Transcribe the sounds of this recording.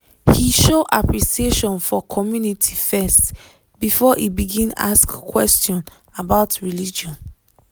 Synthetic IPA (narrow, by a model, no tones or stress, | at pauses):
hiʃoʔapɹisieʃɔ̃nfɔkʰɔmjunitʰifɛst | bifɔʔibiɡĩna̰skkːwɛstɔ̃n | abaʊtɹilid͡ʒɔ̃n